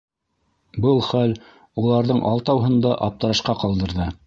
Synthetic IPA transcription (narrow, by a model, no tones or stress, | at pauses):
bɤlˠχæl | ulˠɑɾðɤɴʔɑlˠt̪ɑwɦɤ̆nd̪ɑʔɑp̚t̪ɤ̆ɾɑʃqɑqɑlˠd̪ɤ̆ɾðɤ